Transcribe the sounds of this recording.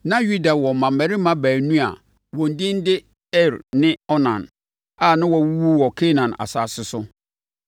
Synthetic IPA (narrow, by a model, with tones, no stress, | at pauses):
nã˦ju˦da˨wɔ˨mã˨mæ˨ɾɪ˦mã˦bæː˨nũ˦a̰˨ | wɔ̃˨n̩˨dĩ˦n˦dɪ˦ | ɛ˦ɾnɪ̃˦ɔ˦nã˨n | a˨nã˦wɔ˨wu˦wu˦wɔ˨kʰe˦nã˨na̰˨saː˨sɪ˨sʊ˦